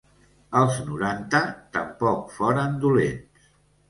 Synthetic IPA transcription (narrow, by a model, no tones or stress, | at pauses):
əlˠznuɾant̪ət̪ə̰mpɔkfɔɾənd̪ulḛns